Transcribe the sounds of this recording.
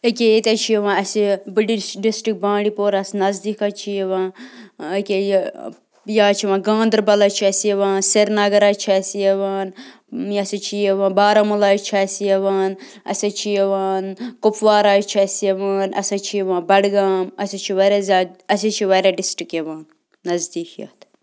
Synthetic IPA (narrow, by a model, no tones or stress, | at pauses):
ekʲejet̪ɐt͡ʃʰijeʋãːnɐsibɨɖiɖisʈik̚bãːɽipoːɾɐsnɐzd̪ikat͡ʃʰijeʋãː | kʲe | jaːt͡ʃʰiʋãːɡãːnd̪ɾbɐlɐt͡ʃʰiɐsijeʋãːnseɾnɐɡɐɾaːt͡ʃʰiɐsijeʋaːn | jɐsɐt͡ʃʰijeʋãːnbaːɾɐmɐlaːjt͡ʃʰɐsijeʋaːn | ɐ̰sʲɐt͡ʃʰijeʋaːnkʊpʋaːɾaːjt͡ʃʰiɐsijeʋaːnɐ̰sʲɐt͡ʃʰijeʋãːnbɐɽɡaːmɐsʲit͡ʃʰiʋɐɾezʲaːɐsɐt͡ʃʰiʋɐɾeɖisʈikjeʋaːnː | ɐzd̪iːkjɐ̰ːt̪ʰ